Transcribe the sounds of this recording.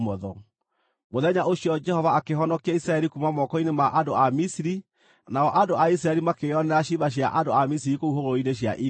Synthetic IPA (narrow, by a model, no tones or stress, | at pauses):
mɔðɔ | moðɛɲaʔoɕijɔd͡ʒɛhɔvaːkeɦɔnɔkiaisɾaɛɾikumamɔkɔinemaʔandoamisiɾi | naɔʔandoais̬ɾaɛɾimakeɔnɛaɕiβaɕ̬ja̰ʔandoamis̬iɾikouɦoɾoineɕ̬ja̰ʔi